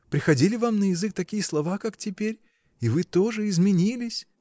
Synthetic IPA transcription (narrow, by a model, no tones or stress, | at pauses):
pɾʲɪxɐdʲilʲɪvamnəjɪzɨk̚t̪ɐkʲijəslˠɐvakaktʲɪpʲeɾʲ | ivɨt̪oʐɨɪzmʲɪnʲilʲɪsʲ